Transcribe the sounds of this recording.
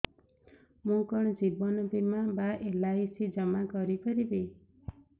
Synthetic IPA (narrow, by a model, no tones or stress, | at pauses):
mũkɔɳ̃d͡ʒibɔnɔbimabaʔelajsid͡ʒɔmakɔɾikʰɔɾibe